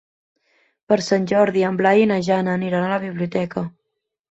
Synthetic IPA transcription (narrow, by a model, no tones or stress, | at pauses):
pəɾsanʲd͡ʒɔɾðiəmblainəʒanəːniɾanaləβ̞iβliut̪ɛkə